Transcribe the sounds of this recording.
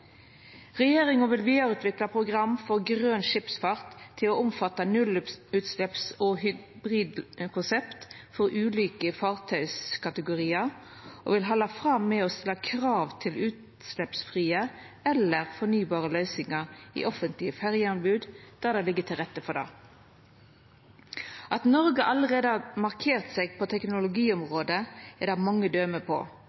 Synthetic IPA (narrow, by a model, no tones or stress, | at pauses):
ʁɛjeːɾɪŋɔʋɪlʋiːd̪ɑɾʉːt̪ʋɪklɑpʰʁʊɡʁɑmːfɔʁɡʁøːnʃɪpsfɑʁt̪ʰːɪlɔʊmfɑt̪ːɑnʉlʉːt̪slɛpsɔɦʏbʁiːd̪kʰʊnsɛpt̪fɔʁʉːliːkəfɑːʁt̪ʰœʏskʰɑt̪əɡʊʁiːəʁ | ʔo̰ʋɪlɦɑlːɑfʁɑmːɛɔst̪ɪlːɑkʰʁɑːʋt̪ʰɪlʉːt̪ | slɛpsfʁiːə | ɛləʁfɔnyːbɑːʁəlœʏsɪŋɑʁḭːʔɔfənt̪lɪəfæʁjəɑnbʉːd̪d̪̥æʁd̪ɛlɪɡːət̪ʰɪlʁɛt̪ːəfɔd̪ɑ̰ː | ʔɑt̪nɔʁɡəʔɑləʁeːd̪əɑmɑʁkʰeːʁt̪seːɡ̚pʰɔt̪ʰɛknʊlʊɡiːʊmʁoːd̪əɪd̪ɛmɑŋːəd̪øːməpʰo̰ː